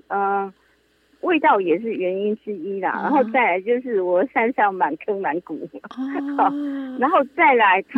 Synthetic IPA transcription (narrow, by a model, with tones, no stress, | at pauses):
ʔə˨ | we˥˧ɪt̪ɑ˥˩ʊjɛ˨˩ʂ̬ɻ̩˥˩ɥɛ˧˥ni˥nʈ͡ʂɻ̩˥i˥lə̰˨na̰˧˦nxo˥˧ʊt͡sa˥˩ɪla˨˧˥ɪt͡ɕjo˥˧ʊʂɻ̩˥˩wɔ˨˩sa˥nsɑ˥˩ŋma˨˩nkʰə˥ŋma˨˧˥nkṵ˨˩˦xɑ˨˩na˧˦nxo˥˧ʊt͡sa˥˩ɪla˧˥ɪt̪ʰ